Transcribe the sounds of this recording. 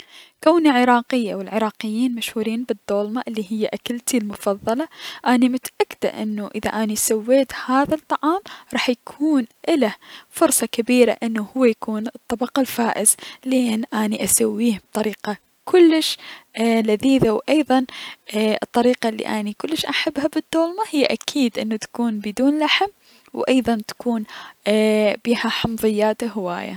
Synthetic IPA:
kawniʕɪɾɑːqɪjːawɪlʕɪɾˤɑːqɪjːiːnmaʃhuːɾiːnbɨd̪ːoːlmaʔɪlːiɦɪjːaʔakalt̪ilmʊfɑðˤːɑlɑʔanimʊt̪aʔakːɪd̪a̰ʔɪ̰nːuʔɪða̰ʔanisawːeːt̪haːðat̪ˤːɑʕɑːmɾˤɑːħjakʰuːnʔɪlafʊɾsˤɑkabiːɾa̰ʔɪnːuhʊwːajakuːnɨt̪ˤːɑbɑqalfaːʔɪzlɪʔɪnːʔaniʔasawːiːhb̚t̪ˤɑɾiːqa | kʰʊlːɪʃ | laðiːðawʔɑjðˤɑn | ɨt̪ˤːɑɾiːqɑlːḭʔanikʊlːɪʃʔaħabːhabɨd̪ːoːlmahɪjːaʔakʰiːd̪ʔɪnːut̪ḁkuːnbɪd̪uːnlaħm | wʔɑjðˤɑnt̪ḁkuːn | b̥iːhaħɑmðˤɪjːaːt̪aɦɪwa̰ːja̰

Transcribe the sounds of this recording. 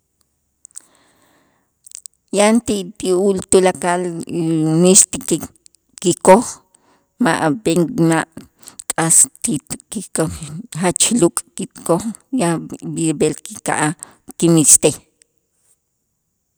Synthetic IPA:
jant̪it̪iult̪ulakal | mist̪i | kikoχ | maʔbeŋmaʔ | kʼast̪ikiohat͡ʃlukʼkit̪koχjabiɾbelkika̰ʔa | kimist̪eh

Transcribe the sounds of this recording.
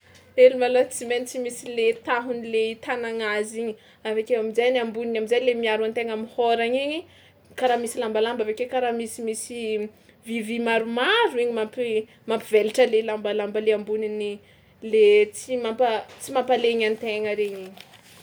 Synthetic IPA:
elimalot͡siment͡simisilet̪aɦunileit̪anaŋaziɲi | avekewamizajnambuninamizajlemiaɾuant̪eŋamihoɾaɲiɲi | kaɾaːmisilambalambavekekaɾamisimisi | vivimaɾumaɾuiɲimampi | mampiveliʈ͡ʂəlelambalambəleambunini | let͡simampət͡simampaleɲant̪eŋəɾeɲiɲi̥

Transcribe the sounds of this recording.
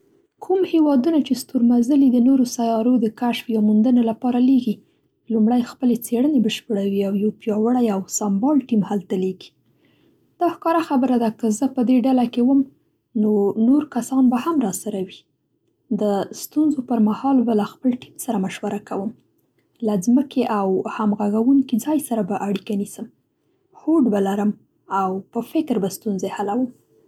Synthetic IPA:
kʰumhewɑd̪unat͡ʃest̪uɾmazəlid̪ənoɾosajɑɾod̪əkaʃfjɑmund̪ənalapɑɾaleɡi | lumɽajxpəlet͡seɽənebəʃpəɽawiawjawpjɑwəɽajawsambɑlʈimhalt̪aleɡi̥ | d̪̥ɑhkɑɾaxabəɾad̪akəzəpəd̪eɖalakewəm | nonoɾkasɑnbahamɾɑsaɾawi | d̪əst̪unzopəɾmahɑlbalaxpəlʈimsaɾamaʃwaɾakawəm | lazməkʰeʔawhamɣaɣawuŋkid͡zɑjsaɾabaʔaɽikanisəm | hoɖbalaɾəm | awpəfɪkɾbast̪unzehalawəm

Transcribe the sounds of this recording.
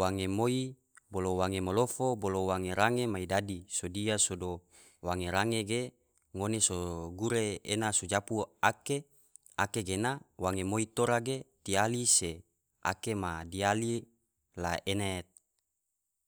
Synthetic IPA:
waŋemoi | bolowaŋemolofobolowaŋeɾaŋemaidadisodiasodo | waŋeɾaŋeɡe | ŋonesoɡuɾeenasod͡ʒapuake | akeɡenawaŋemoit̪oɾaɡet̪ialise | a̰kemadiali | la̰enɛt̪̚

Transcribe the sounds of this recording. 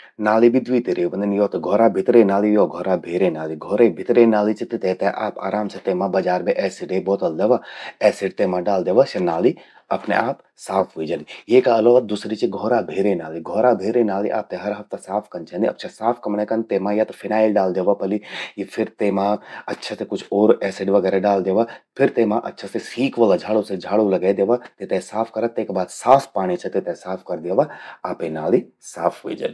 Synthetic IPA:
naːlibʱid̪ʋit̪iɾeʋɐnd̪ənjoːt̪ɐɡʱoːɾabʱɪt̪ɾenaːlijoːɡʱoːɾabʱeːɾenaːliɡʱoːɾebʱɪt̪ɾenaːlit͡ʃʰit̪ɨt̪eːt̪eʔa̰ːpa̰ːɾaːmt͡ʃʰɐt̪eːmãbɐd͡ʒaːɾbʱeʔɛːsiɖeːboːt̪ɐld̪ɐʋaɛːsiʈt̪eːmãɖaːld̪eʋasɐnaːli | ɐpnḛʔaːp | saːpʰɦuid͡ʒɐlijeːkaɐlod̪usɾit͡ʃʰiɡʱoːɾabʱeːɾenaːliɡʱoːɾabʱeːɾenaːlḭʔa̰ːp̚t̪eɦɐɾɦɐft̪ɐsaːpʰkɐnt͡ʃʰɛ̃nd̪iɐ̰pːt͡ʃʰasaːpʰkɐmɽ̃ekɐnt̪eːmãjat̪ɐfʰɪnaːɪlɖaːld̪eːʋapɐlijipʰɪɾt̪eːmãɐtːʃʰasekʊt͡ʃʰoːɾɛːseɖʋɐɡɛːɾeɖaːld̪eːʋapʰɪɾt̪eːmãʔɐ̰tːʃʰasesiːkʋɐlad͡ʒʱaːɭosed͡ʒʱaːɽolɐɡaːd̪eːʋat̪et̪ẽsaːpʰkɐɾat̪ːeːkbaːd̪saːspaːɽ̃it͡ʃʰɐt̪et̪esaːpʰkɐɾd̪jeʋaaːpenaːli | saːpʰɦuḭd͡ʒa̰ːli

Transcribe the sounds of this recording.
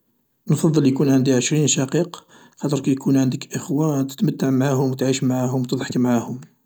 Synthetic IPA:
nfɑd̪ˤːəljkunʕənd̪iʕəʃɾinʃɑqiq | xɑt̪əɾˤkæjkʰunʕənd̪əkʔəxwat̪ə̥t̪mət̪ːaʕmʕahʊmwt̪ʕiʃmʕaɦʊmwt̪əd̪ˤħə̥kmʕahʊm

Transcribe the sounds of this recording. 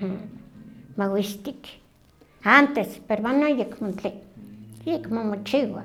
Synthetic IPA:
a | mawiʃt̪ik | ant̪espeɾβanojekmont͡ɬe | jekmomot͡ʃiwa̰

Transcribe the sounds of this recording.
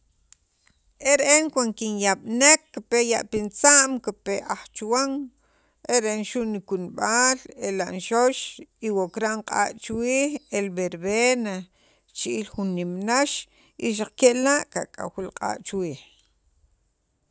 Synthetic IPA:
ʔeɾeʔeŋkwankinjaɓnekːipejaʔpint͡saʔmkipeʔaχt͡ʃwaŋ | ʔeɾeʔenʃuʔnikunɓaːlelaʔnʃoʃiwokɾaʔɴqʼa̰ːʔt͡ʃwiːχelbeɾβena | t͡ʃiʔilχunːimnaʃ | ʔiʃ̬aq͡χkeʔlaʔkakʼa̰wilqʼa̰ːʔt͡ʃwiːχ

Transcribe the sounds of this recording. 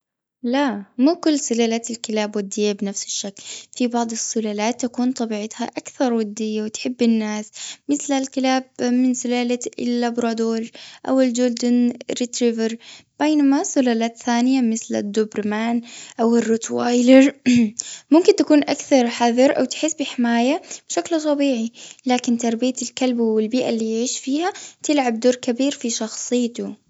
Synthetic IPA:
lamuːkʊlːsʊlaːlaːt̪ɪlkɪlaːbwɪd̪ːɪjːabɪnafsɪ̥ʃːaklfibɑʕd̪ˤɪsːʊlaːlaːt̪ːakuːnt̪ˤɑbiːʕɪt̪haʔakθɑɾˤwɪd̪ːɪjːawɪt̪ħɪbːɪnːaːsmɪθlalkɪlaːb̚mɪnsʊlaːlaɪlːabɾˤɑd̪oːlʔawɪld͡ʒʊld̪ʊnɾit̪ɾiːvɑɾb̥eːnamasʊlaːlaːt̪θaːnɪjamɪθla̰d̪ːʊbɾmaːnʔawɪrːʊt̪waːjlɪɾ | mʊmkɪnt̪akuːnʔakθɑɾˤħaðˤɑɾʔa̰wt̪ɪ̥ħɪsːbɪħɪmaːjab̥ʃaklt̪ˤɑbiːʕilaːkɪnt̪ɑɾˤbijat̪ɪlkalbwɪlbiːʔalːiːjʕiːʃfiːhat̪ɪlʕab̚d̪oːɾkabiːɾfiʃɑxsˤɨjːt̪u

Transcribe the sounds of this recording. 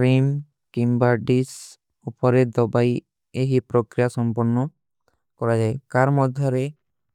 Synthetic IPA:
ɾim | kimbaɾɖis | upɔɾed̪ɔbaj | eɦipɾɔkɾijasɔmpɔɾnːɔ | kɔɾad͡ʒaekaɾmɔd̪ʱjɔɾe

